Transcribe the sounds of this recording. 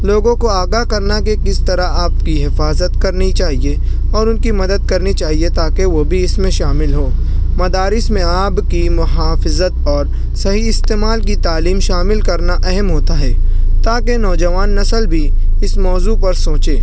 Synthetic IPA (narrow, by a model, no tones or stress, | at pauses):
loːɡõkoaːɡaːɦkɐɾnakekɪst̪ɐɾaaːpkiɦɪfaːzət̪kɐɾnit͡ʃaːɦie | ɔːɾʊnkimɐd̪əd̪̚kɐɾnit͡ʃaːɦiet̪aːkeʋobʱiɪsmẽʃaːmɪlɦoː | mɐd̪aːɾɪsmẽaːbkimʊɦaːfɪzət̪̚ɔːɾ | sɐɦiɪst̪eːmaːlkit̪aːliːmʃaːmɪlkɐɾnaʔɛɦɛmɦoːt̪aɦɛːt̪aːkenɔːd͡ʒɐʋaːnːɐsəlbʱi | ɪsmɔːzuːpɐɾsoːt͡ʃeː